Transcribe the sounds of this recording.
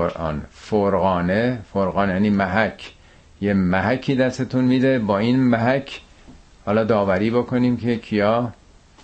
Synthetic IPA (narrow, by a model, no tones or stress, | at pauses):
oɾʔɒ̰ːnfoɾɣɒːnefoɾɣɒːnjæniːmæɦæcʰ | jemæɦækʰːiːd̪æst̪et̪ʰunmiːd̪e̞bɒːiːnmæɦæcʰ | hɒːlɒːd̪ɒːvæɾiːbokʰo̞niːmcʰekʰijɒː